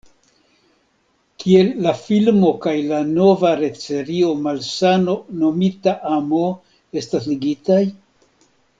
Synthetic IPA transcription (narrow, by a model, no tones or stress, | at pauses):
kie̞lːafilmo̞kajlano̞vaɾe̞t͡se̞ɾio̞malsano̞no̞mitaʔamo̞ | e̞stasliɡitaj